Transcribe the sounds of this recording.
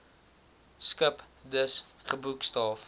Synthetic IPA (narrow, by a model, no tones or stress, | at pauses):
skəp | dəsχəbukstɑːf